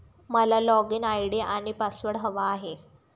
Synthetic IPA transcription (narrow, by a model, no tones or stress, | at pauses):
məlalɔɡinajɽeʔaɽ̃ipasʋəɽɦəʋaːɦe